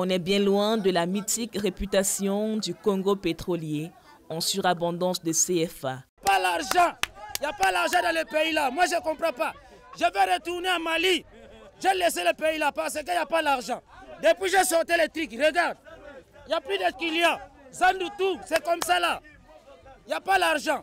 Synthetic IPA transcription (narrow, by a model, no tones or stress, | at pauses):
ɔ̃nɛbjɛ̃lwɛ̃d̪əlamit̪ikʁepyt̪asjɔ̃d̪ykɔ̃ɡopet̪χɔlje | ɑ̃syʁabɑ̃d̪ɑ̃sd̪əseɛfa | palaʁʒɑ̃ijapalaʁʒɑ̃d̪ɑ̃ləpeilamwaʒəkɔ̃pʁɑ̃pa | ʒəvɛʁət̪uʁneamali | ʒelɛseləpeilapaʁsək̬əjapalaʁʒɑ̃d̪əpwiʒəsɔʁt̪ɛlet̪ʁikʁəɡaʁd̪̚ijaplyd̪əkiljãzãnd̪ut̪usɛkɔmsala | ijapalaʁʒɑ̃